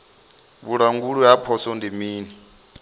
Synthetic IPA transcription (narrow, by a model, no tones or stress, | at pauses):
βuɺaŋɡuɺujapʰɔsɔndimiːni